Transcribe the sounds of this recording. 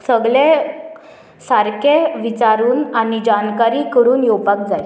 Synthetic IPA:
səɡɭẽ | saɾkeʋit͡ɕaɾuːnanid͡ʑankaɾiːkəɾuːnjopak̚d͡zaj

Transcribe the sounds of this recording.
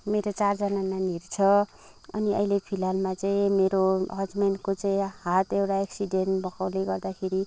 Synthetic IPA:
meɾot͡sard͡zʌnananirt͡sʰʌ | ʌ̰niʌ̰ilepʰilalmat͡saĩmeɾoɦʌd͡zmenkot͡saĩhat̪ewʈaeksiɖenʈbʌkawleɡʌrd̪akʰeɾi

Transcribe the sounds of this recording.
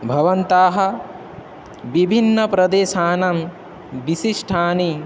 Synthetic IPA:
bʱɐʋɐnt̪aːɦɐ̆ | ʋibʱinːɐpɾɐd̪eːʃaːnɐm | ʋiʃiʂʈʰaːni

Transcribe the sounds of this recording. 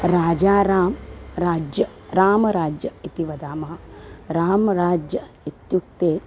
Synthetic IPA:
ɾaːd͡ʒaːɾaːmɾaːd͡ʒjɐɾaːmɐɾaːd͡ʒjɐit̪iʋɐd̪aːmɐɦɐɾaːmɐɾaːd͡ʒjɐ | it̪juk̚t̪eː

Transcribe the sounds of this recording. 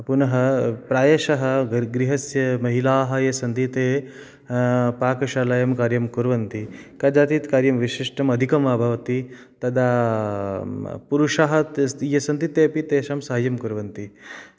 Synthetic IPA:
punɐɦɐpɾaːjɐʃɐɦɐ̆ɡɾiɦɐsjɐmɐɦilaːɦɐ̆jɐsɐnd̪it̪eː | paːkɐʃaːlɐjɐmkaːɾjɐmkuɾʋɐnt̪ikɐd͡ʒaːt̪iːt̪kaːɾjɐmʋiʃiʂʈɐmɐd̪ʱikɐmʋaːbʱɐʋɐt̪i | t̪ɐd̪ʱaː | puɾuʂaɦɐt̪jɐsɐnd̪it̪eːpit̪eːʃɐmsɐɦɐjɐmkuɾʋɐnt̪i

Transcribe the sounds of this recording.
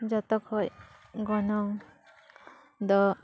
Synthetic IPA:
d͡ʒat̪ɔkʰɔj | ɡɔnɔŋ | d̪ɔ

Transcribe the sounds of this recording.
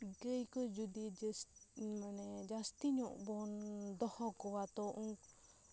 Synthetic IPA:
ɡəjkɔd͡ʒud̪id͡ʒsmanɛd͡ʒast̪iɲɔʔbɔnd̪ɔhɔkɔwat̪ɔʔuŋk

